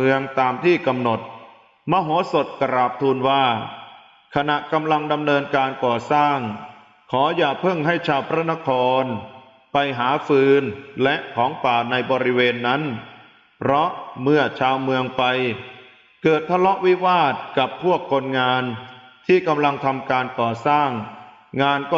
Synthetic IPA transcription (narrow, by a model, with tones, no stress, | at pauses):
ɯ˧əŋt̪aː˧mt̪ʰiː˥˩ka˧mno˨˩t̪̚ | ma˧ɦo˩˦so˨˩t̪̚ka˧ɾaː˨˩p̚t̪ʰu˧nwaː˥˩ | kʰa˧na˨˩ʔka˧mla˧ŋda˧mnɤː˧nkaː˧nkɔː˨˩saː˥˩ŋ | kʰɔː˩˦jaː˨˩pʰɤ˥˩ŋɦa˥˩jt͡ɕʰaː˧wpʰɾa˦˥na˦˥kʰɔː˧n | pa˧jɦaː˩˦fɯː˧nlɛ˦˥ʔkʰɔː˩˦ŋpaː˨˩na˧jbɔː˧ɾi˦˥weː˧nːa˦˥n | pʰɾɔ˦˥ʔmɯ˥˩ɐt͡ɕʰaː˧wmɯ˧əŋpa˧j | kɤː˨˩t̪ʰːa˧lɔ˦˥ʔwi˦˥waː˥˩t̪̚ka˨˩pʰːu˥˩əkʰːo˧nŋaː˧nt̪ʰiː˥˩ka˧mla˧ŋt̪ʰa˧mkaː˧nkɔː˨˩saː˥˩ŋː | aː˧nkɔː˥